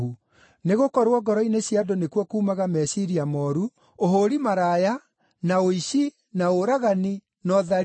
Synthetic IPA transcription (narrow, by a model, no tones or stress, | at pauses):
u | neɣokɔɾwɔɡɔɾɔineɕjadonekwɔkuːmaɣamɛɕiɾiamɔɾu | oɦoɾimaɾaja | naoiɕi | naoɾaɣani | nɔða